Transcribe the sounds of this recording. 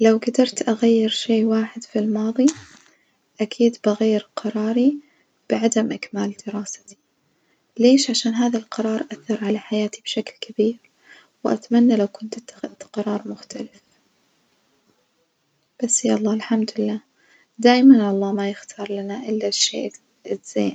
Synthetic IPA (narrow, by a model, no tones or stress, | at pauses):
lawɡad̪ɑɾˤt̪ʔaɣajːɪɾʃeːwaːħɪd̪filmɑːðˤi | ʔakʰiːd̪baɣajːɪɾqɑɾˤɑːɾi | b̥ɪʕad̪amʔakmaːld̪ɪɾaːsḁt̪i̥ | leːʃʕaʃaːnɦaːðalqɑɾˤɑːɾˤʔaθːɑɾˤʕalaħajaːt̪ibʃaklkʰabiːɾ | wʔa̰t̪manːalawkʊnt̪ʔɪt̪ːḁxɪd̪qɑɾˤɑːɾˤmʊxt̪ʰalɪf | b̥asːjaːʔɑlˤːɑːlħamd̪ɪlːaː | d̪aːjmanʔɑlˤːɑːmajɪxt̪ʰɑːɾˤlanaʔɪlːaʃḛː | ɪz̥ḛːn